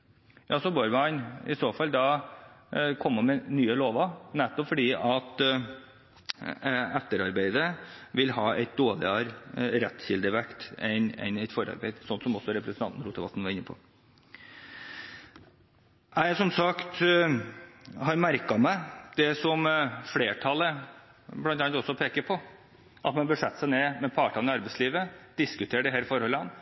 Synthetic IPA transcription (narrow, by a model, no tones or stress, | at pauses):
jɑːsɔboɾʋəɑnɪ̰soːfɑlːd̪ɑ | kʰɔmːəmɛnyːəloːʋɑnɛt̪ːɔpfɔɖiːʔɑt̪ | æt̪ːəɾɑɾbæɪd̪əʋɪlhɑːæɪt̪̚d̪oːd̪ɪ̰ɑɾɾɛt̪ːçɪld̪əʋækt̪ɛnɛ̰næɪt̪fɔɾɑ̰ɾbæɪd̪sɔnt̪sɔmɔsɔɾɛpɾəsnʰɑnn̩ɾuːt̪əʋɑ̰t̪n̩ʋɑɾɪnːəpʰɔ̰ː | æɪsɔmsɑkt̪ | hɑɾmæɾkɑmæɪd̪̥ɛsɔmfleːʈʰɑlə | blɑnt̪ɑnt̪ɔsɔpʰeːkəɾpʰɔ | ʔɑt̪mɑnbəʂɛt̪ːsæɪneːmɛpʰɑːʈɑnɪɑɾbɛɪsliːʋəd̪̥ɪskʉt̪ʰeːɖɛɦæːɾfɔɾhɔlːəɑn